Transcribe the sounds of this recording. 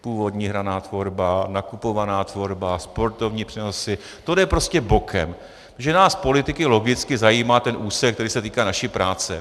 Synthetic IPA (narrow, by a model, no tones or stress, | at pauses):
puːvo̞dɲiːɦɾanaːt̪vo̞ɾbanakupo̞vanaːt̪vo̞ɾbaspo̞ɾt̪o̞vɲiːpr̥ɛno̞sɪ | t̪odɛpɾo̞scɛbo̞kʰɛ̰m | ʒɛnaːspo̞lɪt̪ɪkɪlo̞ɡɪt͡skɪzajiːmaːt̪ɛnʔuːsɛk̚t̪ɛɾiːsɛt̪iːkaːnaʃiːpɾaːt͡sɛ